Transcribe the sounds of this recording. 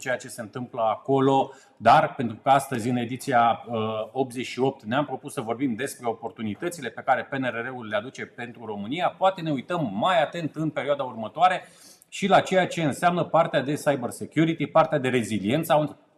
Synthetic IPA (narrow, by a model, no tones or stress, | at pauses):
t͡ʃe̞jat͡ʃe̞se̞ɨnt̪ɨmpləako̞lo̞ | d̪arpe̞nt̪ɾukəast̪əzʲɨne̞d̪it̪siaəo̞p̚t̪ze̞t͡ʃʃio̞p̚t̪neampɾo̞pussəvo̞rbimd̪e̞spɾe̞o̞po̞rt̪unit̪ət̪sile̞pe̞kaɾe̞pe̞neɾeɾeulːead̪ut͡ʃe̞pe̞nt̪ɾuro̞mɨnijapoat̪e̞ne̞ujt̪əmːajat̪e̞nt̪ɨnpe̞ɾioad̪aurmət̪oaɾe̞ | ʃilat͡ʃe̞jat͡ʃe̞ɨnseamnəpart̪ead̪e̞sajberse̞kʲjuɾit̪ipart̪ead̪e̞ɾe̞zilie̞nt̪san